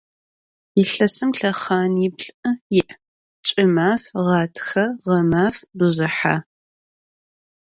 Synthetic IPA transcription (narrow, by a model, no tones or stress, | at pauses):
jɪɬɐsɨmɬɐχaːnibɬʼɨjɪʔ | t͡ʃʼɪmaːfʁɑːtʰxɐʁɐmaːfbɨzɪħa̰